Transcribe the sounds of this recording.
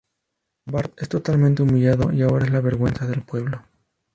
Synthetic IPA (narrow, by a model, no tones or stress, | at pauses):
baɾt̪e̞st̪o̞t̪almẽnt̪eumiʎaðo̞̰ʔiao̞ɾaezlaβe̞ɾɣwe̞nsaðe̞lpwe̞βlo